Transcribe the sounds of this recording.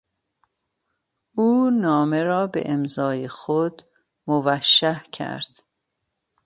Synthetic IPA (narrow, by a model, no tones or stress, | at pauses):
ʔuːnɒːmeɾɒːbḛʔemzɒːjexod̪ | movæʃːæhcʰæ̰ɾd̪̥